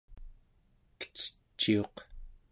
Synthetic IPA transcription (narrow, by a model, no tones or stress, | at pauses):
kə̥t͡sə̥t͡ʃːio̞q